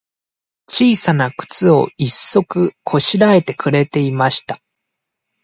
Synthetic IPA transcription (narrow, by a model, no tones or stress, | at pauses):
t͡ɕiːsanakɯ̟̥t͡sɨo̞̰isːo̞kɯ̟kʰo̞ɕiɾae̞t̪e̞kɯ̟ɾe̞t̪e̞imaɕi̥t̪a